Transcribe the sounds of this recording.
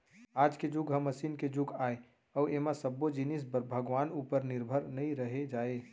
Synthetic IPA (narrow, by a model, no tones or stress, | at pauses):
aːd͡ʒked͡ʒuɡɦə̃mːəsiːnked͡ʒuɡaːe | ɔemãsəbːod͡ʒinis̬bəbʱəɡʋaːnuːpəɾnɪɾbʱəɾnəĩɾəɦed͡ʒaːe